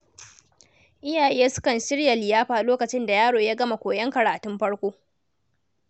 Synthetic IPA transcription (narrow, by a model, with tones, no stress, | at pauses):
ʔɪ˦jaː˨ʔe˦je˦sʊ̥˦kɐ˨nʃɪ˦ɽja˨lɪ˨jaː˦ɸaː˨ʔloː˦kɐ˨t͡ʃɪ˦nda˨jaː˦ɽoː˨ja˦ɡɐ˦ma˨kʷoː˨jɐ˦ŋkɐ˨ɽaː˨tʊ˦mɸɐ˦ɽkʷoː˦